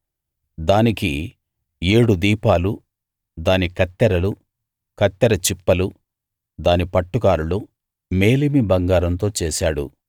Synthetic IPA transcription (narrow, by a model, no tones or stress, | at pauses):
d̪aːniki | e̞ːɽud̪iːpaːlu | d̪aːnikɐt̪ːɐɾɐlu | kɐt̪ːɐɾɐt͡ʃipːɐlu | d̪aːnipɐʈːukaːɾulu | me̞ːlimibɐŋɡaːɾɐnt̪̬o̞ːt͡ʃɛːsaːɽṵ